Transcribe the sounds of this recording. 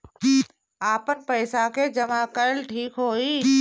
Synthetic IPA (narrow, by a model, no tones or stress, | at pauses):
aːpənpəɪsaked͡ʒəmakəɾəlʈʰiːkɦoːiː